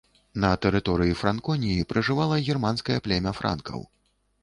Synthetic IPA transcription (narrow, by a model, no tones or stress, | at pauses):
nɐt̪ɛɾɨt̪ɔɾɨjifɾankɔnʲijipɾɐʐɨvalˠɐɣʲirmanskɐjɐplʲɛmʲɐfɾʔa̰nkʰɐ̰w